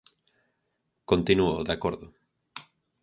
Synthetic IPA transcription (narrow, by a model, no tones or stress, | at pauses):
kont̪inuoðakoɾðʊ